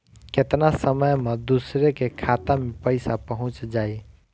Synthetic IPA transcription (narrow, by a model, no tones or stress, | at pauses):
ket̪nasəməjmed̪usɾekekʰat̪amepəɪsapəɦʊ̃t͡ʃd͡ʒai